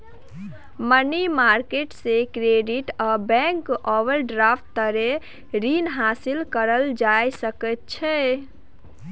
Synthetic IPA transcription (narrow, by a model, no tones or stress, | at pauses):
mənimaɾkeʈsekɾeɖiʈabɛ̃ŋkɔʋəlɖɾapʰt̪ːəɾe | ɾinɦasilkəɾəld͡ʒajsəkət̪̚t͡ʃʰɛ